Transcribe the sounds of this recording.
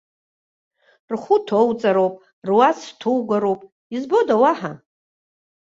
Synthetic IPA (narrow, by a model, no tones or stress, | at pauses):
rχʷutʰowt͡sʼaɾowpʼ | rwastʰowɡʷaɾowpʼ | izbodawaħa